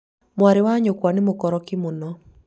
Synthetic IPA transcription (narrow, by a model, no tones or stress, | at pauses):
mwaɾɪwaɲokwanɪmokɔɾɔkɪmonɔ